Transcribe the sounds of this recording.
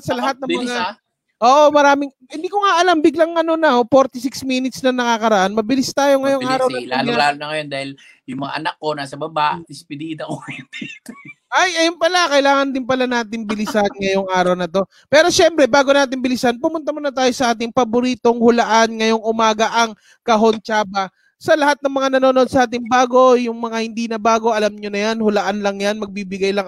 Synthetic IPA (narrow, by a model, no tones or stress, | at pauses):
sɐlɐɦat̪̚nɐmʊn | ʔoːʔo̞mɐɾaːmɪŋ | hɪnd̪iːko̞ŋaʔɐlambɪɡlɐŋːɐno̞nɐofo̞ɾt̪ɪsɪksmiːnɪt̪snɐnɐkakɐɾɐʔanmɐbɪlɪst̪aːjo̞ŋɐjoŋʔaːɾɾɐw̪ɐlallaːlnɐŋɐjond̪aːhɪl | jʊŋmɐŋa̰ʔɐnak̚ːo̞naːsɐbɐbaʔd̪ɪspɪd̪iːd̪ɐkoɛnt̪ɛ | ʔajʔɐjonpɐlakɐɪlaːŋɐnd̪ɪnp̬ɐlanaːt̪ɪŋbɪlɪsanŋɐjoŋʔaːɾɐwnɐt̪o̞ | pɛːɾo̞ʃɛmpɾɛbaːɡonaːt̪ɪnbɪlɪsɐnpʊmʊnt̪ɐmonɐt̪̬aːjo̞sɐʔaːt̪̬ɪŋpɐbʊɾiːt̪o̞ŋhʊlɐʔanŋɐjo̞ŋʔʊmaːɡɐʔɐŋ | kɐɦo̞nt͡ʃaːbɐ | sɐlɐhat̪̚nɐŋmɐŋanɐnoːnʔd̪̚sɐʔaːt̪ɪŋbaːɡo̞jʊŋmɐŋahɪnd̪iːnɐbaːɡo̞ʔɐlamɲonɐjanhʊlɐʔanlɐŋjanmɐɡ̚biːbɪɡajlɐŋ